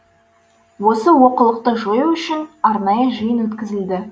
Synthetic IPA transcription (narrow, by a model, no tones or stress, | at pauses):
wo̞səwo̞qəlˠəq̚t̪əʒojuʏʃɪnɑɾnɑjəʒəjənwɵt̪kʲɪzɪld̪ɪ